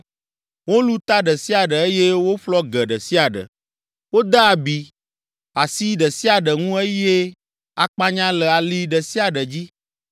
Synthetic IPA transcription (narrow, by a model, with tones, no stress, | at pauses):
wo˦lu˦t̪a˦ɖə˨si˦a˨ɖə˨e˦je˦wo˦ɸlɔ˦ɡɛ˨ɖə˨si˦a˨ɖə̰˨ | wo˦d̪a˦a˨bi˨ | a˨si˦ɖə˨si˦a˨ɖə˨ŋũ˦e˦je˦ | a˨k͡pa˦ɲã˦lɛ˨a˨li˦ɖə˨si˦a˨ɖə˨d͡ʑi˦